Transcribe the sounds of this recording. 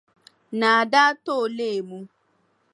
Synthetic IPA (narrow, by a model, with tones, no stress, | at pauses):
na˨a˨da˦to˦˨le˦e˨mu˦